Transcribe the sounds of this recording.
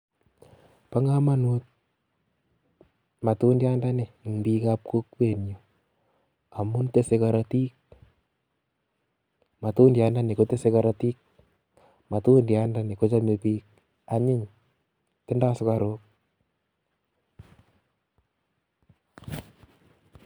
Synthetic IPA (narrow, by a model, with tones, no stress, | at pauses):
pa˦ŋa˦ma˦nu˦t̪̚ | ma˨tu˦ndja˦nda˦ne˨ŋbi˦kap̚ko˦kwe˨njo˨ | a˨mu˦nte˦se˦kaɾati˦k̚ | ma˨tu˦ndja˦nda˦ne˨ko˦te˦se˨ka˨ɾa˨ti˦k̚ | ma˨tu˦ndja˦nda˦ne˨ko˦t͡ʃa˦me˨piː˦k̚ | a˨ɲɪ˦ŋ | tɪ˦nda˦sʊ˦ka˨ɾo˦k̚